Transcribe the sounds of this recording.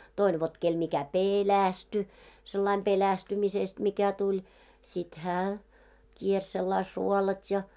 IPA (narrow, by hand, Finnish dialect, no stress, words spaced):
toin ʋot kel mikæ peːlæsty selːɑim pelæstymisest mikæ tulʲ sit hæː kiers selːɑi suolɑtʲ jɑ